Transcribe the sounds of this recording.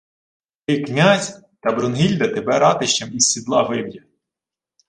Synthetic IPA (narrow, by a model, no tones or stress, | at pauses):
t̪ɪknʲazʲ | t̪ɐbɾɔnɦilʲd̪ɐt̪ebɛɾɑt̪ɪʃt͡ʃɐmisʲːid̪lˠɑʋɪwjɐ